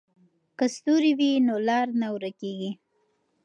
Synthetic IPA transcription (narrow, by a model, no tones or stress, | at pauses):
kəst̪uɾiwinolɑɾnawɾakeɡi